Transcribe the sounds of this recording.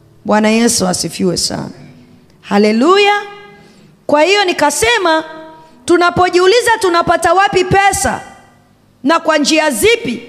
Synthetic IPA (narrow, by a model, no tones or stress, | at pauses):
ɓwanajɛsuasifiwɛ̰sa̰na | halɛluja | kwahijɔnikasɛma | tunapɔʄiulizatunapatawapipɛsa̰ | nakwand͡ʒiazipi